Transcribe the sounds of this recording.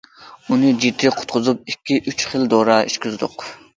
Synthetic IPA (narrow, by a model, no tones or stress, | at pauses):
unɨd͡ʒid̪ɪqʰʊ̥t̪̚qʰʊzup̚ikʲːiʔyt͡ʃχɨld̪oːɾɑiʃkʲyzd̪ʊ̰q